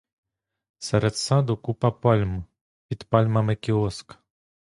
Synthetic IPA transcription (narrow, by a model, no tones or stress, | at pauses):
sɛɾɛt̪sad̪ukupɐpalʲm | pʲit̪palʲmɐmɛkʲiɔsk